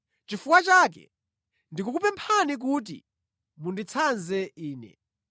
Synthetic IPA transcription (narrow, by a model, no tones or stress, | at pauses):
t͡ʃifukwat͡ʃaːk̬ɛ̰ | ndik̬uk̬upɛmpʰanik̬uːt̬ḭ | mundit͡sʰanzɛiːnɛ̰